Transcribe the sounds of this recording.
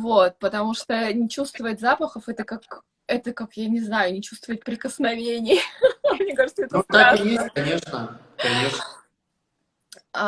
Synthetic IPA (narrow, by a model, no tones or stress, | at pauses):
vot̪̚pət̪ɐmuʂt̪onʲɪt͡ɕust̪vəətʲzapəxəfɛt̪əkak | ɛt̪əkakjanʲɪznajʊnʲɪt͡ɕust̪vəɪt̚ʲpɾʲɪkəsnɐvʲenʲɪjəmnʲekaʐɨt̪səɛt̪t̪akɨjesʲt̚ʲkɐnʲe̞ʂnə | kɐnʲeʂnə